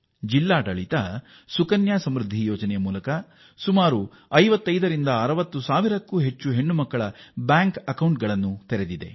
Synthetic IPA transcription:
d͡ʒilːaːʈɐɭit̪ɐ | sukɐnjaːsɐmɾud̪ʱːijɔːd͡ʒɐnɛjɐmuːlɐkɐ | sumaːɾu | ɐjʋɐt̪ːɐjd̪ɐɾind̪ɐːɾɐʋɐt̪ːusaːʋiɾɐkːuːɦe̞t͡ʃːuɦe̞ɳːumɐkːɐɭɐbjaːŋkɐkɐwɳʈ̚ɡɐɭɐnːut̪eɾed̪id̪e̞̰

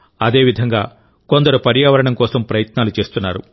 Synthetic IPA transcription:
ɐd̪e̞ːʋid̪ʱɐŋɡaː | ko̞nd̪ɐɾupɐɾjaːʋɐɾɐɳɐmkɔːsɐmpɾɐjɐt̪naːlut͡ʃe̞ːst̪unːaːɾu

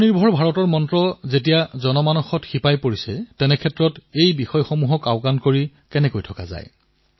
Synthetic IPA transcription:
niɹbʱɔɹbʱaɹɔtɔɹmɔntɹɔzetijazɔnɔmanɔxɔtxipajpoɹisɛtɛnɛkʰɛtɹɔtejbixɔjxɔmuɦɔkaʊkankoɹi | kɛnɛkojtʰɔka̰za̰j

